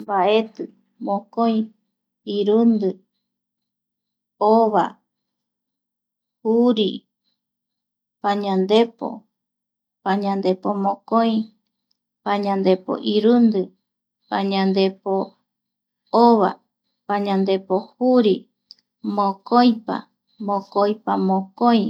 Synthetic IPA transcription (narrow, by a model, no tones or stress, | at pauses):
mbaʔet̪ɨ | mõkoj̃ | iɾɨnd̪ɨ | oβa | huɾi | pãɲãnd̪epo̰ | pãɲãnd̪epomõkoj̃ | paɲãnd̪epo̰ʔiɾɨnd̪ɨ | paɲãnd̪epo | oβa̰ | paɲãnd̪e̞pohuɾi | mõkoj̃pa̰ | mõkojpamõkoj̃